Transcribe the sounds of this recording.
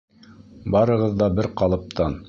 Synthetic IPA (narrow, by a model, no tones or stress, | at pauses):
bɑɾɤ̆ʁɤðːɑbɘɾqɑlˠɤ̆p̚t̪ɑn